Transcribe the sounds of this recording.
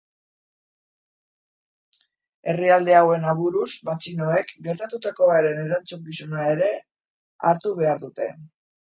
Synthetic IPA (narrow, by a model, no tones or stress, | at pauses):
e̞riald̪e̞awe̞naβuɾuzmat͡ʃino̞e̞kɡe̞ɾt̪at̪ut̪ako̞aɾe̞ne̞ɾant͡suŋɡisonae̞ɾe̞ | a̰ɾt̪uβ̞e̞aɾðut̪e̞